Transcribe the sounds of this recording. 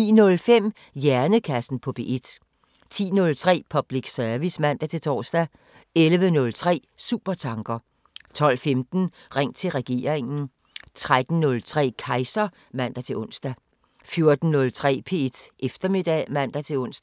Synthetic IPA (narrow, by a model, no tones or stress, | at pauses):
ḭːnɔ̽lfem̰ | jæɐnəkʰæsn̩pʰɒ̽b̥e̝ʔed̥ | t͡sʰḭːnɔ̽lt͡sʰʁɛ̰ːpʰɒ̽b̥liɡ̥sœɐʋismæn̰d̥æt͡sʰe̝t͡sʰɒ̰ːsd̥æ | elʋənɔ̽lt͡sʰʁɛ̰ː | suːb̥ɐt͡sʰɑ̈ŋɡ̥ɐ | t͡sʰɒ̽l̰femd̥n̩ʁaŋ̰t͡sʰe̝lʁɛɡ̥e̝̰ːɐʁeŋn̩ | t͡sʰʁad̥n̩ːnɔ̽lt͡sʰʁɛ̰ːkʰɑ̈ɪsɐ | mæn̰d̥æt͡sʰe̝lɔ̽nsd̥æ | fjo̝ɐd̥n̩nɔ̽lt͡sʰʁɛ̰ːpʰe̝̰d̥ʔefd̥ɐme̝d̥ɛ̰mæn̰d̥æt͡sʰe̝lɔ̽n̰sd̥